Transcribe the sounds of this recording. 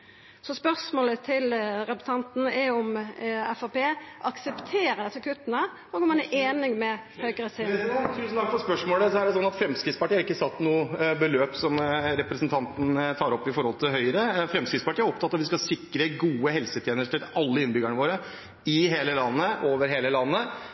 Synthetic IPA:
sɔspœsmoːlət̪ʰɪlɾɛpɾəs̩ɑnt̪nəɛɔmɛfɑpeːʔɑksɛpt̪ʰeːɾəd̪ɛsːəkʰʉt̪ːnə | ɔɡɔmɑnʔeːnɪŋmɛhœʏɡəɾəsɪt̪ʰʉːsn̩ɑːkfʰɔspœʂmoːləsɔæɖɛsɔnːɑt̪fɾɛmskɾɪt̪spɑʈiːɑɾɪkːəsɑt̪ːnuːəbəløːpsɔmɾɛpɾɛsnt̪ʰɑnt̪n̩t̪ʰɑːɾɔpːɪfɔɾhɔlt̪ʰɪlɦœʏɾəfɾɛmskɾɪt̪spɑʈiːæɾɔp̚t̪ɑt̪ːɑʋɪskɑsɪkːɾəɡuːəhɛlsət̪ʰjeːnəʂʈʰɪlɑlːəɪnbʏɡəɳəʋoːɾə | ɪɦeːləlɑnːəʔoːʋəɾɦeːləlɑnːə

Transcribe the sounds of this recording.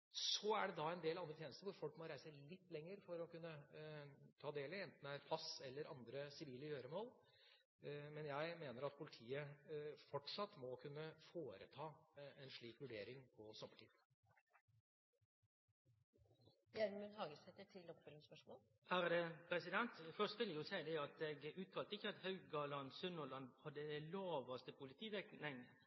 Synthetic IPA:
sɔæɖɛd̪ɑɛnd̪eːlɑnd̪ɾət̪jeːnəst̪əɾʋʊɾfɔlkmɔɾæɪsəlɪt̪ːlɛŋːəɾfɔɾɔkʉnːə | t̪ʰɑːd̪eːlɪɛnt̪n̩d̪ɛæɾpʰɑsɛlːəɾʔɑnd̪ɾəsɪʋiːləjøːɾəmoːl | mɛnjæɪmeːnəɾɑt̪̚pʰʊlɪt̪ʰiːəfɔʈʂɑt̪ːmɔkʰʉnːəfoːɾə̰t̪ʰɑːɛnʂɭiːkʋʉɖeːɾɪŋpʰɔsɔmːəʈʰiːd̪ | jæɾmʉnhɑːɡəsɛt̪ːəʈʰɪlːɔkføːɾɪŋspœʂmoːl | hæɾd̪əpɾɛsɪd̪ɛnt̪fœst̪ʋɪlɪjʊsæɪd̪ɛɑt̪ɛɡʉːt̪̚k̪ʰɑlt̪əɪçːəɑt̪hɑʉɡɡɑlɑnsʉnɔlɑnhɑd̪ːəd̪ɛloːʋɑst̪əpʰʊlɪt̪ʰiːʋɛknɛŋ

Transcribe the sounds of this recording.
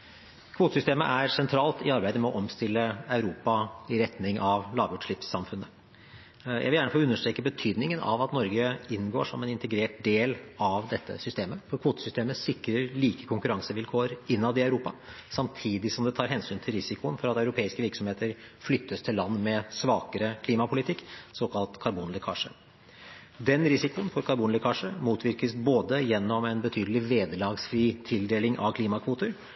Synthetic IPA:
kʰʋuːt̪əsʏst̪eːmə̰ʔæɾsɛnt̪ʰɾɑːlt̪ɪɑɾbæɪd̪əmɛɔʔɔmst̪ɪlːəɑʉɾuːpɑɪɾɛt̪nɪŋʔɑʋlɑːʋjʊʈʂɭɪpsːɑmfʉnːə | jæ̰ɪʋɪljæːɳəfoːʉnːəʂʈɾeːkəbət̪ʰyːd̪nɪŋənɑ̰ʋɑt̪nɔɾɡəɪnɡo̰ːʂɔ̰mɛnɪnt̪əɡɾeːʈ̚d̪eːlɑʋd̪ɛt̪ʰːə̰sʏst̪eːməfɔɾkʰʋuːt̪ə̥sʏst̪eːməsɪkɾəɾliːkə̥kʰʊŋkʉɾɑŋsəʋɪlkʰoːəɾɪnːɑʋd̪ɪɑʉɾuːpɑsɑmt̪ʰiːd̪ɪsɔmd̪ɛt̪ʰɑːɾɦɛnsyːnt̪ʰɪlɾɪsɪkʊənfɔɾɑt̪ɑʉɾʊpʰeːɪskəʋɪɾksɔmheːt̪əɾ | flʏt̪ʰːəst̪ʰɪlːɑnːmɛsʋɑːkəɾəkʰliːmɑpʰʊlɪt̪ʰɪkːsoːkʰɑlt̪kʰɑɾbuːnləkʰɑ̰ːʂə̰ | d̪ɛnɾɪsɪkʊənfɔɾkʰɑɾbuːnləkʰɑʂəmuːt̪ʰʋɪɾkəsboːd̪əjɛnːɔmɛnbət̪ʰyːd̪əlɪʋeːd̪əlɑːɡsfɾiːt̪ʰɪld̪eːlɪŋʔɑ̰ʋkʰliːmɑkʰʋuːt̪əɾ

